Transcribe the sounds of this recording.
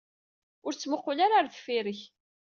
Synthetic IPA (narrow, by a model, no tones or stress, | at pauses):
ʊɾt͡sːməqːʊlaɾaɾθfiɾəç